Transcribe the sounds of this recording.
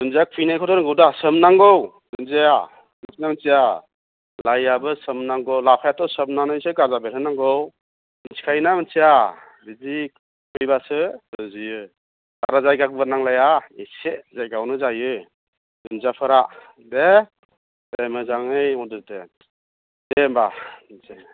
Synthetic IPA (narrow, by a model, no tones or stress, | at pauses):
dɯnzak̚pʰijnajkʰɔdɔɾɯŋɡɯwdasɯmnaŋɡɔwdɯnzeja | asnamɯnsija | lajabɯsɯmnaŋɡɯwlapʰajatʰɔsɯmnanɯiseɡazabeɾʰɯnːaŋɡɔw | ɯnsʰi̥kʰajnamnsija | bizi | kɯjbasɯɯzijɯ | a̰ɾazajɡaɡbɯnaŋlajaisezajɡawnɯzajɯ | ɯnzapʰɯɾa | de | demɯzaŋɯjmɔdɯte | dembanse